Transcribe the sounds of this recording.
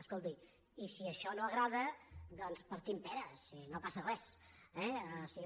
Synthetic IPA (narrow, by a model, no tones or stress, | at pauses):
əskolˠt̪i | isiəʃɔnoəɣɾaðəd̪ɔnspəɾt̪impɛɾəsinopasərɛs | ɛsi